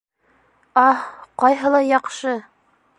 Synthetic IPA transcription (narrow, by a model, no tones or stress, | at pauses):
ɑqɑjɦɤlˠɑjɑqʃɤ